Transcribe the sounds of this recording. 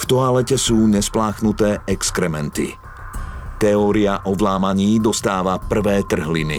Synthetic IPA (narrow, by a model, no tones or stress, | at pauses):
ft̪ɔalɛcɛsuːɲɛsplaːxnut̪ɛːɛkskɾɛmɛnt̪ḭ | t̪ɛɔːɾiaʔɔʋlaːmaɲiːd̪ɔst̪aːʋapr̩ʋɛːt̪r̩ɦlḭnḭ